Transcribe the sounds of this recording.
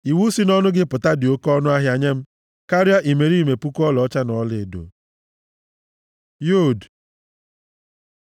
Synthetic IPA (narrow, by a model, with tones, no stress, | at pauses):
i˨wu˦si˦nɔ˦nʊ˦ɡɪ˦pʊ˨ta˦dɪ˨o˦kɔ˦nʊ˦a˦ɦja˨ɲe˦m̩˦ | ka˦ɾja˦ʔi˨me˨ɾi˦me˨pu˦kɔ˦lɔ˨˦t͡ʃa˦nɔ˨le˨do̰˨ | jo˦˨d